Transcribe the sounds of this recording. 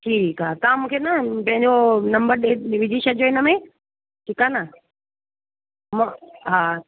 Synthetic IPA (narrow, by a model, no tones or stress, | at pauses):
ʈʰiːkaːt̪aːmũːkʰeːnɐpɐ̃ɦɪ̃ɲd͡ʑonɐ̃mbəɾɗeʋɪd͡ʑʱiːʃɐd͡ʑoɪnə̆mẽ | ʈʰiːkaːnə | mãɦaː